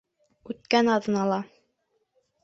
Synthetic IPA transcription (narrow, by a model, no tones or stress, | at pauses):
ʉt̪̚kænɑðɤ̆nɑlˠɑ